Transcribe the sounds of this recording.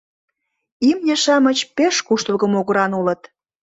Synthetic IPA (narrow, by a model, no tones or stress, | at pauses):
imnʲĕʃɑmə̆t͡ɕpeʃkuʃt̪əlɣə̆moɣɤ̆ɾɑnulə̆t̪